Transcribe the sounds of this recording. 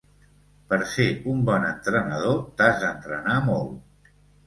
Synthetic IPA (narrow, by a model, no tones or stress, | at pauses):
pəɾseumbɔnənt̪ɾənəð̞ot̪azðənt̪ɾənamolˠ